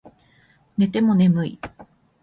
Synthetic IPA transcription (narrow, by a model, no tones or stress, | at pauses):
ne̞t̪e̞mo̞ne̞mɯ̟i